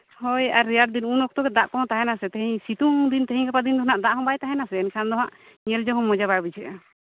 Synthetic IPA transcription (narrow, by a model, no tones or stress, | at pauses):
hɔjaɾːijaɾd̪inunɔk̚t̪ɔɡɛd̪aʔkɔɦɔ̃t̪aɦɛnasɛt̪ɛɦɛɲsit̪uŋd̪int̪ɛɦɛɲkapad̪ind̪ɔɦnaʔd̪aʔhɔ̃bajt̪aɦɛnasɛɛnkʰand̪ɔɦaʔ | ɲɛld͡ʒɔɦɔ̃mɔd͡ʒabajbit͡ʃʰɛʔa